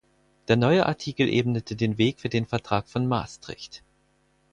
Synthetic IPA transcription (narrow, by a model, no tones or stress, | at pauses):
d̥eːɐnɔʏəʔa̰ɐtʰiːkl̩ʔḛːbnətʰədeːnveːkfyːɐdeːnfɛɐtʁ̥aːkfɔnmaːstʁ̥ɪ̰çt